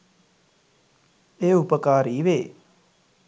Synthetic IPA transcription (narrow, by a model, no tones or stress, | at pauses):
eːupəkaːɾiːʋeː